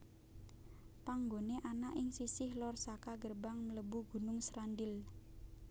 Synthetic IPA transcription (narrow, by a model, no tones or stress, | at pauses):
paŋɡoneʔanaʔɪŋsisɪhlɔrsakaɡərbaŋmələbuɡ̥ṳnʊŋsɾandɪl